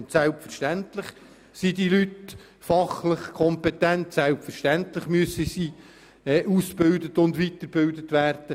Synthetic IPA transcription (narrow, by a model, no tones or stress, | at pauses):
ntsælpfərʃtæntlɪχ | sid̪ilyt | fɑχlɪχkʰɔmpɛtæntsælpfərʃtæntləχmyəsəsi | ɛʔuːsb̥ɪld̪ətʊnd̪ʋitəɾb̥ɪld̪ətʋæːrd̥ə